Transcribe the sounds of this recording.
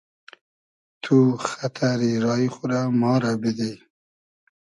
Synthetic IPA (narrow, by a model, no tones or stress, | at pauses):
t̪ʰuxat̪ʰaɾiɾɑixʊɾamɑːɾabid̪e